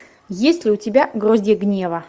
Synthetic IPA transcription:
jesʲtʲlʲɪʊtʲɪbʲaɡrozʲdʲeɡnʲevɐ

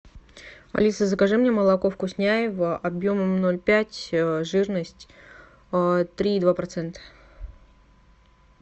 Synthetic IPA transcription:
ɐ̰lʲisəzəkɐʐɨmnʲeməlˠɐko̞fkʊsʲnʲæjɪvəʔɐbjo̞məmnolʲpʲætʲʐɨrnəsʲtʲ | t̪ɾʲiːd̪vapɾɐt̪sɛnt̪ə̥

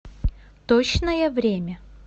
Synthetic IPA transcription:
t̪ot͡ɕnəjəvɾʲemʲə

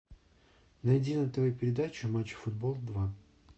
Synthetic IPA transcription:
nɐjdʲinət̪vɐjupʲɪɾʲɪd̪at͡ɕʊmat͡ɕːʊ̥fʊd̪bolˠd̪va

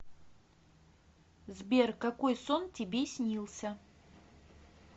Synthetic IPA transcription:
zbʲerkɐkojsontʲɪbʲesʲnʲilˠsʲə

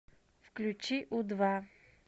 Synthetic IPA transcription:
fklʲut͡ʃiʔʊd̪va

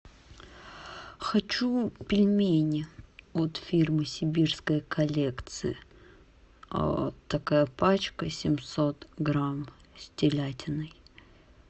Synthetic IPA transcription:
xɐt͡ɕupʲɪlʲmʲenʲɪot̪fʲirmɨsʲɪbʲirskəjkʰɐlʲekt̪sɨ̰ɪ̰ | a̰t̪ːɐkajəpat͡ɕkəsʲɪmʲsot̪ɡɾam | sʲtʲɪlʲætʲɪnɨj

